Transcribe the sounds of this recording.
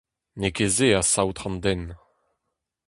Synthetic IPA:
nekezeasawt̪χɑ̃nd̪ɛn

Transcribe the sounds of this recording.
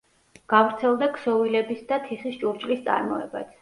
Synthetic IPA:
ɡ̥avɾt̪sʰɛlˠd̪akʰsɔvilɛbisd̪at̪ʰiχist͡ʃʼuɾt͡ʃʼlist̪sʼa̰ɾmɔɛ̰ba̰t̪ʰ

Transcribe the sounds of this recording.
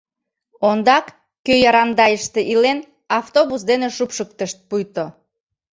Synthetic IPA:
ond̪ɑkː | øjɑɾɑnd̪ɑjəʃt̪eʔilen | ɑft̪oβusd̪eneʃupʃək̚t̪əʃt̪̚pujt̪o

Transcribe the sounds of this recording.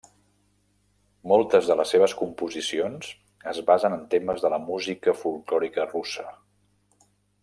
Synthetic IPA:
mɔlˠt̪əzðələsːeβ̞əskumpuzisionz̥ | əzβazənənt̪eməzðələmuzikəfulˠklɔɾikərusə

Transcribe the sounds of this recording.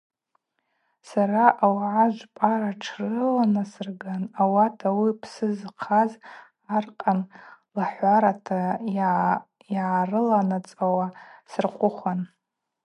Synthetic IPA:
saɾaʔawʕaʒʷpʼaɾaʈ͡ʂʰrɨlanasɨrɡanawatʰawipʰsɨzqʰaz | arqʼanlaħʷaɾatʰa | iʕarɨlanat͡sʼawasɨrqʷʼʊχʷan

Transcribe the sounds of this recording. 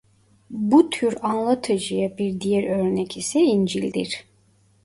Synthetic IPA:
but̪ʰyɾanlˠat̪ʰɯd͡ʒɯjabiɾd̪ijɛɾøɾnɛcʰisɛind͡ʒilʲd̪ḭɾ̥

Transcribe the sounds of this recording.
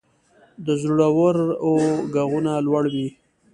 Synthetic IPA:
d̪əzuɽawəɾoɡaɣunalwaɽwi

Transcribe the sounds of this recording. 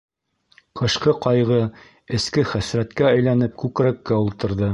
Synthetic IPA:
qɤ̆ʃqɤqɑjʁɤ | ɘ̆skɘχæsɾæt̪kæːæjlænɘp̚kʉkɾækːæulˠt̪ɤ̆ɾðɤ

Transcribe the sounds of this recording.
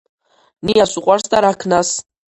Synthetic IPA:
nijasʷuqʷʼarstʼaɾakʰnas

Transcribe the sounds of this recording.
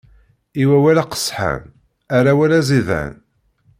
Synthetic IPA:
iwæwælaqə̥sħa̰n | aɾawælæziðæ̰n

